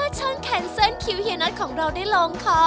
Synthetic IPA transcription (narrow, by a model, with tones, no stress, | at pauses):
ɯ˥˩t͡ɕʰa˦˥˩nk̪ʰɛː˧nsa˥˩nkʰi˧˥whi˧na˦˥t̚kʰɔː˩˦ŋɾa˧wdaː˥˩jlo˧ŋkʰɔ˦˥